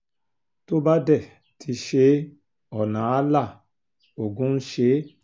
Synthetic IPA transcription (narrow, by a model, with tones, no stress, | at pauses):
to˦ba˦dɛ˦˨ | tʰi˧ʃe˧˦ | ɔ˨nã˨˦a˦la˦˨ | o˨ɡũ˦n̩˦ʃe˨˦